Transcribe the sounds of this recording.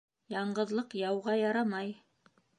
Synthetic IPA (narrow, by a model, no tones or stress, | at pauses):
jɑɴɢɤ̆ðlˠɤqjɑwʁɑjɑɾɑmɑj